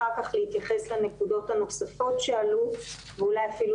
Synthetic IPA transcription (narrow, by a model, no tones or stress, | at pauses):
akaχlehit̪jaχe̞slene̞kudo̞thanoχsafo̞tʃealu | veulajafilu